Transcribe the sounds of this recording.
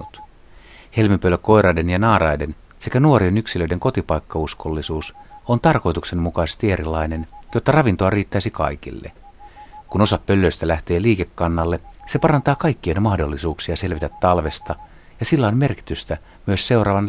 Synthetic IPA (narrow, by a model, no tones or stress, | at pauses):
ut̪ | he̞lmipølːøkːo̞jɾɑjdenjɑnɑːrɑjden | se̞kænuorienyksilø̞ide̞ŋko̞t̪ipɑjkːɑuskolːisuːsont̪ɑrko̞jt̪ukse̞nmukɑise̥st̪ieɾilːɑjne̞njot̪ːɑrɑʋint̪oɑriːt̪ːæisikɑ̰ikḭlːḛ | kuno̞sɑppølːøist̪ælæht̪e̞ːliːkekːɑnːɑlːe̞se̞pɑrɑnt̪ɑːkɑikːienmɑhdolːisuːksiɑse̞lʋit̪æt̪ːɑlʋe̞st̪ɑ | jɑsilːɑinmerki̥t̪yst̪æ | myøsse̞urɑːʋɑn